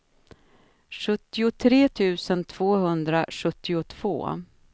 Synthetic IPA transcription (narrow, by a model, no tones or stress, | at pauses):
ʂɵt̪ːɪʊt̪ʰɾeːt̪ʰʉ̟ːsənt̪ʰv̥oːɦɵnd̪ɾaɧɵt̪ːɪʊt̪ʰv̥o̰ː